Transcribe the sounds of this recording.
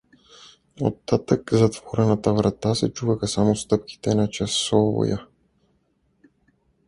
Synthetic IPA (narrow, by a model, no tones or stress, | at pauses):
o̰t̪ːat̪akzat̪vɔɾɛnat̪avɾat̪asɛt͡ʃuvaxasamɔst̪əp̚ki̥t̪ɛnat͡ʃasɔvɔ̰ja̰